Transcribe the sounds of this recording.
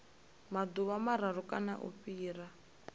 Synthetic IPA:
mad̪uβamaɾaɾukʼana̰ʔṵɸiːra

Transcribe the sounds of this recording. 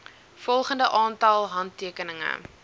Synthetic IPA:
fɔlˠχəndəʔɑːntɐlˠɦɐntːiəkənəŋə̰

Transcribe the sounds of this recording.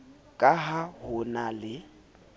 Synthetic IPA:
kʼaɦahʊnalɪ

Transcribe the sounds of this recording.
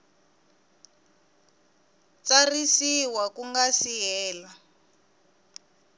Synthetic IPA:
t͡sarisiwakuŋɡasiɦɛːla

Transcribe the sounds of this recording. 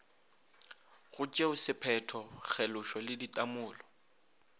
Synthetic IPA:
ɣʊt͡ʃʼeʊsɪpʰɛtʰɔk͡xʰɛlʊʃɔlɪditʼamʊːlɔ

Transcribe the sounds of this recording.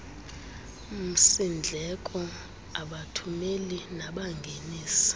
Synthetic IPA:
m̩sind͡ɮʱɛkʼɔ | aɓatʰumelinaɓaŋɡʱeniːsi̥

